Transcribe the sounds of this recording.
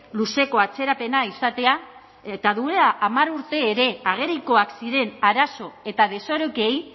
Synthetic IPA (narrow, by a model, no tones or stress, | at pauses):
luse̞ko̞at͡se̞ɾape̞naisat̪e̞a | et̪aðuelaʔːmaɾuɾt̪e̞ːɾe̞aɣ̞e̞ɾiko̞aksiɾe̞naɾaso̞e̞t̪að̞e̞so̞ɾoke̞j